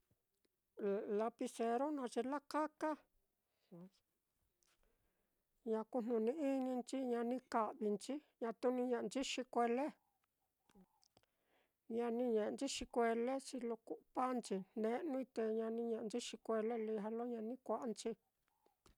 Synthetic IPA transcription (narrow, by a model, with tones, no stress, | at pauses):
la˧pi˧se˧ɾo˦nã˧t͡ʃi˧la˦ka˦ka˦ | ɲã˧ku˧˨n̥nũ˨˧nĩ˧ʔi˦nĩ˧nt͡ʃi˦ɲã˧nĩ˧ka˨ʔβi˧nt͡ʃi˦ɲã˧t̪u˧nĩ˧ɲã˧˨˧nt͡ʃi˦ʃi˧kʷe˧le˦ | ɲã˧nĩ˧ɲẽ˨ʔt͡ʃi˦ʃi˧kʷe˧le˦t͡ʃi˧lo˧ku˧ʔpa˦nt͡ʃi˧nẽ˧ʔnũ˧i˧t̪e˧ɲã˧nĩ˧ɲẽ˧˨ʔnt͡ʃi˦ʃi˧kʷe˧le˦li˧ɦa˧lo˦ɲã˧nĩ˦kʷa˦ʔa˧nt͡ʃi˧˦